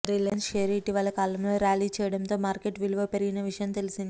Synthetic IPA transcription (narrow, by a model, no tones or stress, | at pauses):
ɾilɐnʃeːɾiːʈiʋɐlːɐkaːlɐmlo̞ːɾjaːliːt͡ʃɛːjɐɽɐnt̪o̞ːmaːɾkeʈʋilʋɐpeɾiɡinɐʋiʂɐjɐmt̪elisind̪i